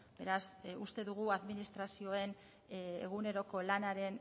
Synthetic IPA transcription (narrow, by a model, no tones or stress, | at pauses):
be̞ɾasust̪e̞ðuɣ̞uaðminist̪ɾasio̞e̞n | ḛɣune̞ɾo̞ko̞lanaɾe̞n